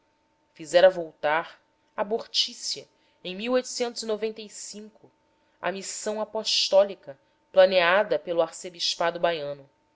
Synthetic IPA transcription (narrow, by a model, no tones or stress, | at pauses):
fizɛɾɐvowt̪aɾ | aboɾt͡ʃisiɐ | ẽj̃miwojt̪u̥sẽnt̪ʊzinovẽnt̪ejsĩŋkʊ | ɐ̰misɐ̃w̃apɔʃt̪ɔlikɐ | plɐnead̪ɐpelʊaɾsebiʃpad̪ʊbajɐ̃nʊ